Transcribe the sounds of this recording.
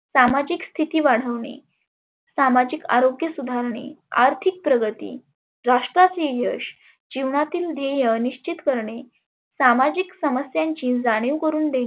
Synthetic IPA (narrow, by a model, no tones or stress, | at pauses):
samad͡ʑikst̪ʰit̪iːʋaɽ̤əʋɳḛ | samad͡ʑika̰ɾoɡjəsud̪ʱaɾɳḛaɾt̪ʰik̚pɾəɡət̪ḭː | ɾaʂʈɾat͡sejəɕ | d͡ʑiʋɳat̪iːld̪ʱejəniɕt͡ɕit̪kəɾɳe | samad͡ʑiksəməsjaɲt͡ɕĩːd͡zaɽ̃iʋkəɾuːnd̪ẽi